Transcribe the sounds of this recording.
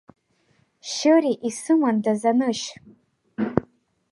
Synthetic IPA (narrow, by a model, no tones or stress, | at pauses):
ʃɨɾiʔisɨmandazanɨʃ